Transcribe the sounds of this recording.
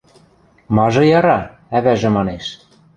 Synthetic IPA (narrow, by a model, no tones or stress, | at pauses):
mɑʒɤ̆jɑɾɑ | æβæʒɘ̆mɑneʃ